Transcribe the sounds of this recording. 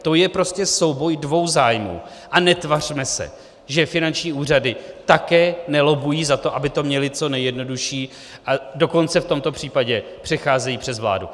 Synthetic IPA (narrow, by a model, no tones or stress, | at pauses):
t̪o̞jɛpɾo̞scɛso̞wbo̞jdvo̞wzaːjmṵː | ʔanɛt̪var̝̥mɛsɛ̰ | ʒɛfɪnant͡ʃɲiːuːr̝adɪt̪akɛːnɛlo̞bujiːzat̪o̞ʔabɪt̪o̞mɲɛlɪt͡so̞nɛjɛdno̞duʃiː | ʔado̞ko̞nt͡sɛft̪o̞mt̪o̞pr̝̥iːpaɟɛpr̥ɛxaːzɛjiːpr̝̥ɛzvla̰ːdṵ